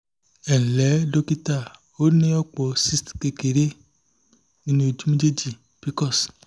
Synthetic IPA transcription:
ɛ̃˨lɛ˨˦do˦ki˦ta˦˨ | o˦nĩ˦ɔ˦k͡pɔ˨si˦stke˨ke˨ɾe˦ | nĩ˦nĩ˧o˧˨d͡ʒu˦me˦d͡ʒe˦d͡ʒi˨ | pi˦kɔ˦˨s

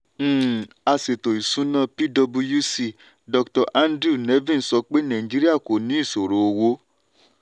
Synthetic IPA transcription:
a˧se˨to˨i˨sũ˨˦nã˦˨pi˦dɔ˧bu˧ju˦si˧˨ | dɔ˧ktɔ˧˨ʔa˦ndɾu˦˨ne˨˦vĩ˦˨sɔ˧k͡pe˦nã˨ĩ˨d͡ʒi˦ɾi˦a˦˨ko˨nĩ˨˦i˦˨so˨ɾo˨o˧wo˧˦

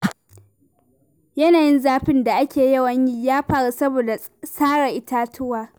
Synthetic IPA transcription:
jɐ˦naː˨jɪ˦nzaː˦ɸɪ˦nda˨ʔa˦kʲeː˨jɐ˦˨wɐ˦ɲji˦jaː˦ɸaː˦˨ɽu˦sɐ˦boː˨da˨ | saː˦ɽa˨ʔɪ˦taː˦tʰʊ˦waː˨

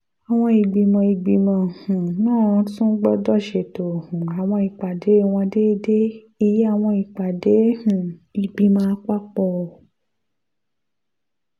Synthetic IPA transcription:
a˨w̃ɔ̃˧i˨ɡ͡bi˨mɔ̃˨i˧ɡ͡bi˨mɔ̃˧hũ˨nãː˦˨˧tũ˦ɡ͡bɔ˦dɔ˦ʃe˨to˨hũ˨a˨w̃ɔ̃˧i˨k͡pa˨de˨˦w̃ɔ̃˧de˦de˦ | i˧je˦a˦˨w̃ɔ̃˧i˨k͡pa˨de˨˦hũ˨i˧ɡ͡bi˧mã˧˦k͡pa˦k͡pɔ˧˨

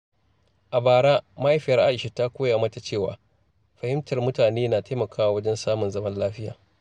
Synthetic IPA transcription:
ʔa˨baː˨ɽaː˦ma˦jɸɪ˦jɐ˨rʔa˦ʔɪ˨ʃe˦ta˦kʷoː˦ja˨mɐ˦ta˨t͡ʃeː˦˨wa̰ː˨ | ɸɐ˨hɪ˦mtɐ˨rmʊ˦taː˨neː˦naː˨ta˦mɐ˨kʰaː˦wa˨wɐ˦d͡ʒɛ˦nsaː˦mʊ˨nzɐ˦mɐ˦nlaː˦ɸɪ˦ja̰ː˨

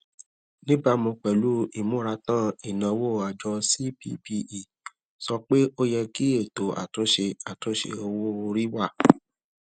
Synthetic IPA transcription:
nĩ˦ba˧mũ˧k͡pɛ˨lu˦i˨mũ˨˦ɾa˧tã˦i˦˨nã˨˧˦wo˦˨a˨d͡ʒɔ˧si˦pi˦pi˧i˨ | sɔ˧k͡pe˦ʔo˦jɛ˧ki˦e˦˨to˨˦a̰˨to˨˦ʃe˧a˨to˨˦ʃḛ˧o˧wo˦˧ɾi˦wa˦˨

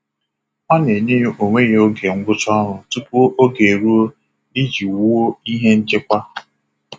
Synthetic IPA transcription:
ɔ˦ne˨ɲe˦jo˨ŋʷe˦ɣe˦o˦ɡe˨ŋ̩˦ɡʷʊ˦t͡ʃɔ˦ɾʊ˨tu˦pu˦o˦ʔo˦ɡe˨ɾu˦o˦ | i˦d͡ʒi˨wu˦o˦i˦ɦe˦n̩˦t͡ʃɪ˦kʷa˦

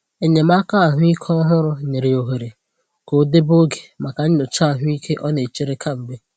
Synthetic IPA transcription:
e˦ɲe˨m˦a˦ka˦a˨ɦʊ˦i˦kʰɔ˦ɦʊ˦ɾʊ˦ne˨ɾe˨o˨ɦe˨ɾe˨ | ko˨˦de˦bo˦ɡe˨ma˨ka˨ɲ̩˦ɲʊ˨t͡ʃa˦a˨ɦʊ˦i˦kʰe˦ʔɔ˦ne˨t͡ʃe˦ɾe˦kʰa˦m̩˨be˦

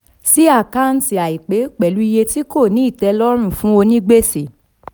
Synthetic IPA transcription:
si˦a˦˨ka˦˨n̩˦ti˨a˨i˨k͡pe˨˦k͡pɛ˨lu˨˦i˧je˧ti˦ko˦˨nĩ˨˦i˦˨tɛ˧lɔ˦ɾ̃ũ˦˨fũ˦o˧nĩ˦ɡ͡be˦si˨

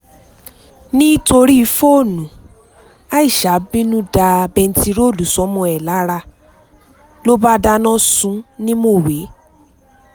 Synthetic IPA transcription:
nĩ˦to˧ɾi˦i˧fo˦˨nũ˨ | a˦i˦˨ʃa˨˦bĩ˦nũ˦da˧bɛ˧n̩˨˦ti˧ɾo˦˨lu˨˦sɔ˨˦mɔ̃˧ɛ˨la˨˦ɾa˧ | lo˦ba˦da˦nɔ̃˦sũ˦nĩ˦mo˦˨we˨˦

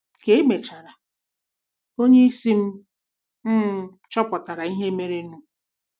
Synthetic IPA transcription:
ke˨e˦me˨t͡ʃa˨ɾa˨ | o˦ɲe˦i˦si˦m̩˦ | m̩˦ | t͡ʃɔ˦pɔ˨ta˨ɾa˨i˦ɦe˦me˦ɾe˦nu˦

